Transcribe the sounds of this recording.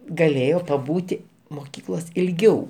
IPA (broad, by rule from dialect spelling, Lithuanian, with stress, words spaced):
ɡɐˈlʲeːjoː pɐˈbuːtʲɪ moːˈkʲiːklˠoːsʲ ɪlʲˈɡʲɛʊ